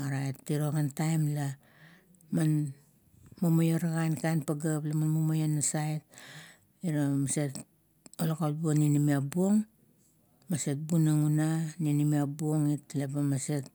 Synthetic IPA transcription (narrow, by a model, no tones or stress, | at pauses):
aɾaetːiɾoɡantajmla | man | momojoɾaɡankajnpaɡaplamanmomojonasaet̚ | iɾamaset | olakat̚buoninimiabuo̞ŋ | maset̚bunaŋunaninimiabuoŋitlebamaset̚